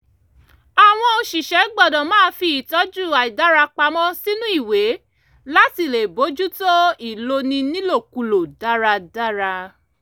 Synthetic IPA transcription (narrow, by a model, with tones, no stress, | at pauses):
a˨w̃ɔ̃˧o˧ʃi˨ʃɛ˨˦ɡ͡bɔ˦˨dɔ̃˨mãː˦fi˧˦i˨tɔ˨˦d͡ʒu˦˨a˨i˨da˦ɾa˧k͡pa˧mɔ̃˦si˦nũ˦i˦˨we˨˦ | la˦ti˦˨le˨bo˨˦d͡ʒu˦to˦i˦˨lo˧nĩ˧nĩ˦lo˦˨ku˧˨lo˨da˦ɾa˧da˦ɾa˧